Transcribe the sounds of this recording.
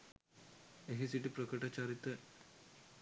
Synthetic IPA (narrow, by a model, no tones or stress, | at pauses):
eɦisiʈipɾɐkəʈat͡ɕaɾit̪ɐ